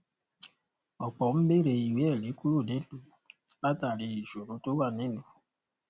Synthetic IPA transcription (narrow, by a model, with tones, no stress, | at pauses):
ɔ˨k͡pɔ˨m̩˦be˦ɾe˨i˨we˦˨le˨˦ku˦ɾu˦˨de˦nu˨ | ba˦ta˨ɾe˨i˨ʃo˨ɾo˦to˦wa˦˨ne˦nu˨